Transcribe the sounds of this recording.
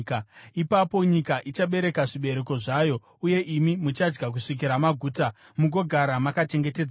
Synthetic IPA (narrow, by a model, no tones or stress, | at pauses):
kaipapo̞ɲikaʔit͡ʃaɓe̞ɾe̞kaʐiɓe̞ɾe̞ko̞ʐaːjo̞ | uje̞ʔimimut͡ʃad͡ʒɡak̬uʂik̬iɾamaɡʱuːta | muɡo̞ɡʱaɾamakat͡ʃe̞ŋɡe̞ted͡z